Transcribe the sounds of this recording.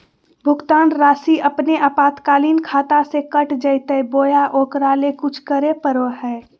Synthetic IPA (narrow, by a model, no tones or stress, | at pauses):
bʱʊkt̪aːnɾaːsiʔəpneʔapaːt̪kaːliːnkʰaːt̪asekəʈd͡ʒəjt̪əjboːjaʔoːkɾaːlekʊt͡ʃʰkəɾepəɾoɦɛː